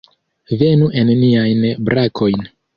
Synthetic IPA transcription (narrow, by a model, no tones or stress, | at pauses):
ve̞nuʔe̞nːiajnbɾakʰo̞jn